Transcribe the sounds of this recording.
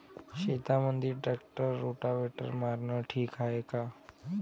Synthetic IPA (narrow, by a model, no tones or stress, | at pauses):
ɕet̪amənd̪ʱiɾʈɾɛk̚ʈəɾːoʈaʋɛʈə̰ɾmaɾɳəʈʰiːkaɦeka